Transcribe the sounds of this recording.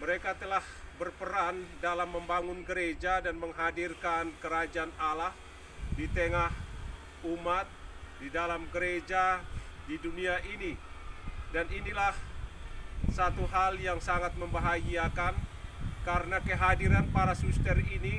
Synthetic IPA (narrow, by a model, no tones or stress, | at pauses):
məɾekat̪əlahbərpəɾandalamːəmbaŋʊnɡəɾed͡ʒadanməŋɦadirkankəɾad͡ʒaanalah | dit̪əŋah | umat̪̚didalamɡəɾed͡ʒadiduniaʔini | daninilah | sat̪uɦaljaŋsaŋat̪̚məmbaɦaɡiakankaɾənakəɦadiɾanpaɾasust̪ərini